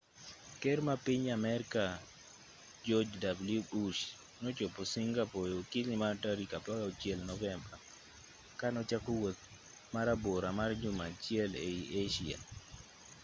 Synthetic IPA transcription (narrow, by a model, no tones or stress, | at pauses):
kɛɾmapɪɲamɛɾka | d͡ʒɔd͡ʒdablubuʃ | nɔt͡ʃoposiŋɡapɔjokilimaɾtaɾikapaɡaot͡ʃjɛlnɔvɛmba | kanɔt͡ʃakowot̪̚ | maɾaboɾamard͡ʒʊmat͡ʃjɛleiʔeʃia̰